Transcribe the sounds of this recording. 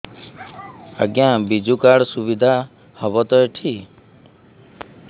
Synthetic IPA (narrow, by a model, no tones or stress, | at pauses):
a̰ɡjãbid͡ʒukaɽsuβid̪ʱa | hɔbɔt̪ɔjʈʰi